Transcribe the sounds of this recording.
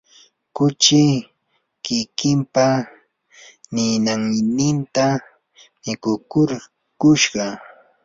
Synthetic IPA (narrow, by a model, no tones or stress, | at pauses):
kʊt͡ʃɪ | kɪkɪmpa | nɪnaŋnɪnt̪a | mɪkʊkʊɾ | kʊʃɢɑ